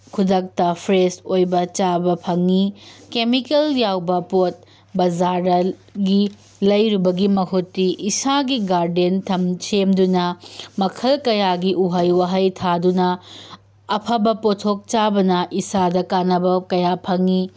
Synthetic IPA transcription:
kʰudɐk̚tɐpʰɾesojbɐt͡ʃabɐpʰɐŋikemikeljawbɐpot̚ | bɐzaɾɐ | ɡi | lɐjɾubɐɡimɐɦutːiʔisaɡiɡaɾdentʰɐmsemdunɐmɐkʰɐlkɐjaɡiʔuɦɐjwɐɦɐjtʰadunɐː | pʰɐbɐpotʰok̚t͡ʃabɐnɐʔisadɐkanɐbɐkɐjapʰɐŋi

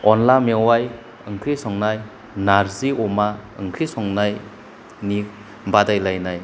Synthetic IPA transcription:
ɔnlamewaj | ɯŋkʰɾisɔŋnaj | naɾziɔmaɯŋkʰɾisɔŋnaj | nik̚ | badajlajnaj

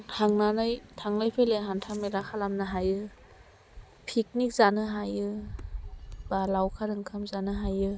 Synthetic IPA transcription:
tʰaŋnanɯjtʰaŋlajpʰejleɦantʰaŋmelakʰalamnɯɦajɯ | pʰik̚nik̚zanɯɦajɯ | b̥alawkʰaɾɯŋkʰamzanɯɦajɯ

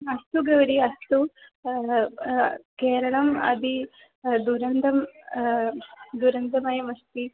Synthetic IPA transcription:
ɐst̪uɡɐʋɐɽiɐst̪u | keːɾɐɭɐmɐ̰d̪i | d̪uɾɐnd̪ʱɐm | d̪uɾɐnd̪ɐmɐjɐmɐst̪i

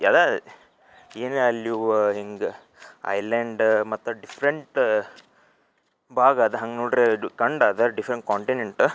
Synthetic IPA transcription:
ɐd̪ɐ | eːneɐlːjuɦiŋɡ | ɐ̰jleɳɖmɐt̪ːɐɖifʰɾeɳʈ | bʱaːɡaːd̪ɐɦɐŋɡnoːɖɾekɐɳɖaːd̪ɐɖifʰɾeɳʈkaːɳʈineɳʈ

